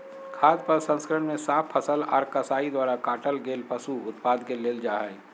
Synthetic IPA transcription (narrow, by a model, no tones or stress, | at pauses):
kʰaːd̪pɐɾsə̃nskəɾəɳmẽsaːpʰːəsəlɔ̰ːɾkɐsaːid̪waːɾakaːʈəlɡeːlpəsuʊt̪paːd̪keleːld͡ʒaːɦɛː